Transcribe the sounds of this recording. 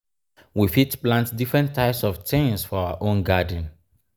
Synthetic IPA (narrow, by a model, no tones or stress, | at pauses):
wifitplãntdifɹɛ̃ntʰːaɪpsɔftʰẽnsfɔaʊa̰ʔõnɡadə̃n